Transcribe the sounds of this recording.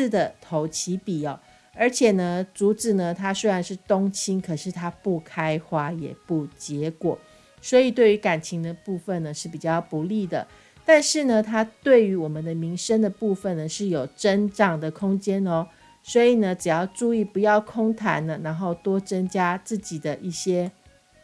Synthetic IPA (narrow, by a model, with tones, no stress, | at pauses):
d̪ə˩t̪ʰo˧˥ʊt͡ɕʰi˧˥pi˨˩ɔ˨˦ | ə˞˧˥t͡ɕʰjɛ˨˩nə˦t͡su˧˥t͡sɻ̩˨˩nə˨˩t̪ʰa˥swe˥ɪɻa˧˥nʂɻ̩˥˩t̪o˥ŋt͡ɕʰi˥ŋkʰɤ˨˩ʂɻ̩˥˩t̪ʰa˥pu˥˩kʰa˥ɪxwa˥jɛ̰˨˩pu˥˩t͡ɕjɛ˧˥˦kwɔ̰˨˩˦ | swɔ˧˥i˨˩t̪we˥˩ɪy˧˥ka˨˩nt͡ɕʰi˧˥ŋd̪ə˧pu˥˧fə˨nə˩ʂɻ̩˥˩pi˨˩t͡ɕjɑ˥˩ʊpu˧˦li˥˩d̪ə˩ | t̪a˥˧nʂɻ̩˥˩nə˨t̪ʰa˥t̪we˥˩ɪy˧˥wɔ˨˩mə˨˦nd̪ə˧mi˧˥ŋʂə˥nd̪ə˨pu˥˧fə˨nnə˩ʂɻ̩˥˩jo˨˩ʊʈ͡ʂə˥nʈ͡ʂɑ˨˩ŋd̪ə˩kʰʊ˥ŋt͡ɕjɛ˥nɔ˦ | swɔ˧˥i˨˩nə˦ʈ͡ʂɻ̩˨˩jɑ˥˧ʊʈ͡ʂu˥˧i˥˩pu˧˥jɑ˥˩ʊkʰo˥ŋt̪ʰa̰˧˥nə˨na˧˥nxo˥˩ʊt̪wɔ˥t͡sə˥ŋt͡ɕja˥t͡sɹ̩˥˩t͡ɕi˨˩d̪ə˦ʔi˥˩ɕjɛ˥